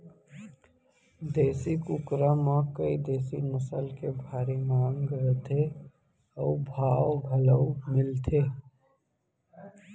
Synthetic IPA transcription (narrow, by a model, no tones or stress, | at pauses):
d̪eːsikʊkɾamãkəid̪eːsinəsəlkebʱaːɾimãːŋɡɾət̪ʰe | ɔːbʱaːwɡʱələwmɪlt̪ʰe